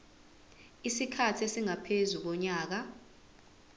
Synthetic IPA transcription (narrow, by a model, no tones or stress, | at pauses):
isikʰatʰesiŋapʰezuk̬ɔɲaːk̬a